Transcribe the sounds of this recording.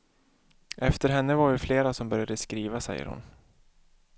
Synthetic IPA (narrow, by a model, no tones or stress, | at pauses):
ʔɛft̪əɾɦɛnːəvaɖɛfleːɾasɔmbœɾjad̪əskɾiːvasɛ̰jːə̰ɾhʊ̰n